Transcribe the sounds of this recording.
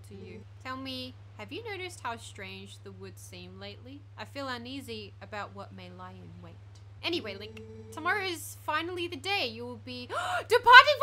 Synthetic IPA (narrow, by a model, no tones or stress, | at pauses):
tʰɨjɨ | tʰɛlˠmi | hɨvjɨnoʊɾɨst̚haʊstɹ̥ẽɪ̃nd͡ʒðɨwʊd̥sĩmleɪʔˡliʔaɪfilˠʌ̃niziɨbaʊʔ̚wʌt̚meɪlaɪɨ̃nweɪt | ʔɛñiweɪlaɪktʰəmɑɹoʊɨz̥fãɪ̃nl̩ˠiðɨdeɪjɨwɪlˠbid̥ɨpʰɑɹɾɪ̃ŋ